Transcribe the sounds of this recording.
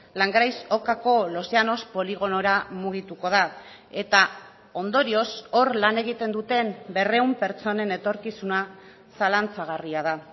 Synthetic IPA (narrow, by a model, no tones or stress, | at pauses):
laŋɡɾajso̞kako̞lo̞seano̞spo̞liɣo̞no̞ɾamuɣ̞it̪uko̞ð̞ae̞t̪a | o̞nd̪o̞ɾio̞so̞ɾlane̞ɣ̞it̪e̞nd̪ut̪e̞mbe̞re̞umpe̞ɾt͡so̞ne̞ne̞t̪o̞ɾkisuna | salant͡saɣ̞ariað̞a